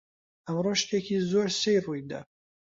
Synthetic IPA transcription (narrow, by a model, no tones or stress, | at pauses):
ɐmroʃt̪ekʰiːzoːɾsejrujd̪ɐ̰